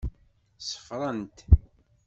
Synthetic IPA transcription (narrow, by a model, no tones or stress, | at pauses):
sə̥fɾˤənt̪